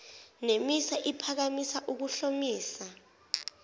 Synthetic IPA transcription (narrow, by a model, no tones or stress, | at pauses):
nemisaʔipʰak̬amisaʔuk̬uɬomiːsa